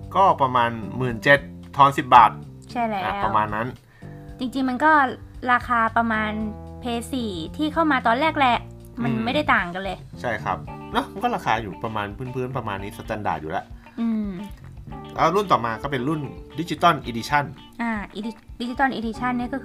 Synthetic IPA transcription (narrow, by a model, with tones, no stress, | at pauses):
kɔː˥˩pɾa˧maː˧nmɯː˨˩nt͡ɕe˨˩t̪̚ʰːɔː˧nsi˨˩p̚baː˨˩t̪̚ | t͡ɕʰa˥˩jlɛːʔa˧˨˦pwa˧wmaː˧nːa˦˥n | t͡ɕi˧ŋt͡ɕi˧ŋma˧nkɔː˥˩ɾaː˧kʰaː˧pɾa˧maː˧npʰeː˧siː˨˩t̪ʰiː˥˩kʰa˥˩wmaː˧t̪ɔː˧nɾɛː˥˩k̚lɛ˦˥ʔ | ma˧nma˥˩jɾa˥˩jt̪aː˨˩ŋka˧nlɤː˧jt͡ɕʰa˥˩jkʰɾa̰˦˥p̚nɔ˦˥ma˧nkɔː˥˩ɾaː˧kʰaː˧juː˨˩pɾa˧maː˧npʰɯː˥˩˨npʰɯː˦˥˨npɾa˧maː˧nːiː˦˥sa˧t͡ɕa˧nda̰ː˨˩jṵː˨˩lɛ̰˧˦ʔ | ʔɯː˧m | lɛ̰ː˦˥wɾu˥˩nt̪ɔː˨˩maː˧kɔː˥˩p̬e˧nɾu˥˩ndi˨˦˥t͡ɕi˧˦t̪ɔ˥˩˨nʔiː˧di˧t͡ɕʰa˥˩n | ʔaː˧˩ʔi˧di˧di˦˥t͡ɕi˧t̪ɔː˥˩nʔiː˧diː˧t͡ɕʰa˥˩nːi˥˩ɐkɔː˥˩˧